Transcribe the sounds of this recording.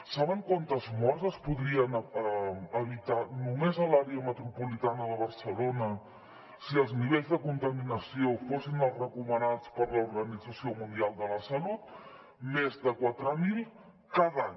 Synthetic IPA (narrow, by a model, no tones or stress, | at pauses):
saβəŋkwant̪əzmɔɾzəspuðɾiən | əβit̪anumezəlaɾeəmət̪ɾupulit̪anəðəβ̞əɾsəlonə | siəlˠzniβ̞eʎzðəkunt̪əminəsiofosinəlˠrəkumənat͡spəɾləuɾɣənid͡zəsiomund̪ialˠd̪ələsəlut̪̚ | mezðəkwat̪ɾəmilˠ | kaðaɲ